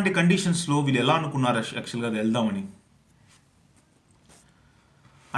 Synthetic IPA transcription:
ɳʈikɐɳɖiːʂɐnslo̞ːʋiːluɛlaːɐnukunːaːɾɐɛkt͡ʃɐlɡaːd̪eɭd̪aːmɐni | ɐ

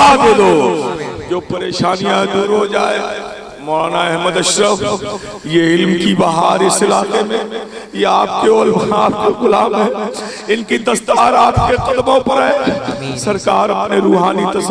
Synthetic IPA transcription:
ad̪eːd̪oːd͡ʒoːpɐɾeːʃaːnijãed̪uːɾɦod͡ʒaːeː | mɔːlaːnaɛɦməd̪ɐʃɾəʋ | jeɪlmkibɐɦaːɾɪsɪlaːqemẽ | jeaːpkeoːlʋaaːp̚keɡʊlaːmɦɛ̃ː | ɪnkid̪ɐst̪aːɾaːpkeqɐd̪mõpɐɾɦɛːsɐɾkaːɾɐpneɾuːɦaːnit̪ɐs

